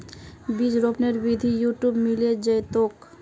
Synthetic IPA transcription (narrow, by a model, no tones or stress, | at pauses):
biːd͡ʒɾoːpneɾbid̪ʱijuːʈjuːbmɪled͡ʒəjt̪oːk